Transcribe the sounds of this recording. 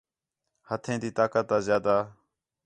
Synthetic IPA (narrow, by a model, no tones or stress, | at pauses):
hət̪ʰẽːd̪iːt̪aːkət̪̚ːaːzjaːd̪aː